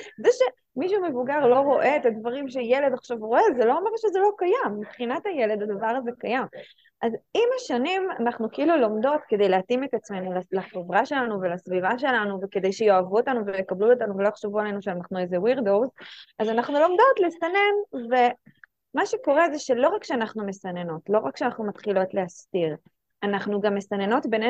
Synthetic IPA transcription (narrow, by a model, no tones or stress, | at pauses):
zɛʃe | miʃ̬umevuɡaʁlo̞ʁo̞ʔe̞et̪ad̪vaʁimʃejele̞d̪aχʃavʁo̞ezelo̞omeʁʃezelo̞kajamːipχinat̪hajele̞d̪ad̪avaʁazekajam | ʔazimaʃanima̰naχnukeilulo̞md̪o̞tke̞d̪e̞jleat̪ime̞t̪at͡sme̞nulalaχevʁaʃe̞lanuve̞lasvivaʃe̞lanuveke̞d̪e̞jʃejo̞avuot̪anuvejekabluot̪anuvelojχʃuvualenuʃeanaχnuezewiʁdo̞wzʔazanaχnulo̞md̪o̞tlesane̞nve̞ | maʃe̞ko̞ʁe̞zeʃe̞lo̞ʁakʃeanaχnume̞sane̞no̞tlo̞ʁakʃeanaχnumat̪χilo̞tle̞astiʁ | anaχnuɡamːe̞sane̞no̞tbene